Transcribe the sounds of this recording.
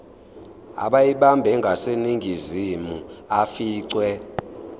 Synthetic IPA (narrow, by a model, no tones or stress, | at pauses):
a̰ɓajiɓambʱɛŋɡʱaseniŋɡʱizimuafiːǀwɛ